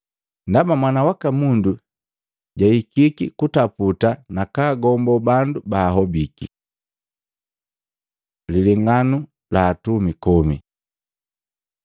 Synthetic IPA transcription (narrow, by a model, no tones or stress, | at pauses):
ndamamwanawakamundu | ɟaikikikutaputanakaːɡɔmbɔbandubaːɦɔbiki | liliŋanu | laːtumikɔmi